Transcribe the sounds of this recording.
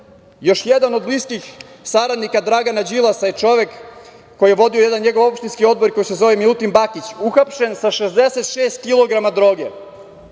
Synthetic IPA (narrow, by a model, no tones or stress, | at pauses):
jo̞ʃjed̪anod̪bliskix | saɾad̪nikad̪ɾaɡanad͡ʑilˠasajet͡ʃo̞ʋekː | ojijeʋo̞d̪io̞jed̪anɲe̞ɡo̞ʋo̞pʃt̪inskio̞d̪bo̞ɾko̞jise̞zo̞ʋemilut̪imbakit͡ɕuxapʃe̞nsaʃezd̪e̞set̪ʃeːst̪̚kilˠo̞ɡɾamad̪ɾo̞ːɡe